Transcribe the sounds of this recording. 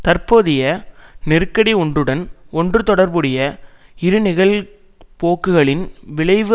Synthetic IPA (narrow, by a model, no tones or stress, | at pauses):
t̪ɐrpoːðɪjɐnɪɾkːɐɽiɔɳdrɯɽɐnɔndrɯt̪ɔɽɐɾbɯɽɪjɐɪɾɯnɪɣɐɭ | poːkːɯɣɐɭɪnʋɪɭɐɪʋɯ